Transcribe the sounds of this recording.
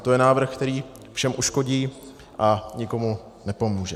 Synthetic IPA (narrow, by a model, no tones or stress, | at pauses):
t̪o̞jɛnaːvr̩xkt̪ɛɾiː | fʃɛmʔuʃko̞ɟiː | ʔaɲɪko̞mu | nɛpo̞muːʒɛ